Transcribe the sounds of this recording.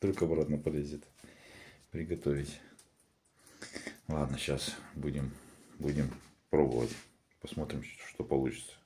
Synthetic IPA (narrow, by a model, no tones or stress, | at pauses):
t̪olʲkəɐbɾat̪nəpɐlʲezʲɪt̪ | pɾʲɪɡɐt̪ovʲɪtʲ | lˠad̪nəɕasbudʲɪmbudʲɪmpɾobə̰və̰tʲ | pɐsmo̞t̪ɾʲɪmʂt̪opɐlˠut͡ɕɪ̥t̪sə̥